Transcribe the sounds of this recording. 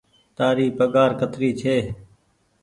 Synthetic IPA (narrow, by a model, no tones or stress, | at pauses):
t̪aːɾiːpəɠaːɾkət̪ɾiːt͡ʃʰeː